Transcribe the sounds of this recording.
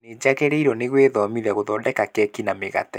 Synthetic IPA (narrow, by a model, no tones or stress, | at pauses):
ned͡ʑaɣɛɾeiɾɔneɣweðɔmiðɛɣoðɔdɛkakɛkinameɣa̰tɛ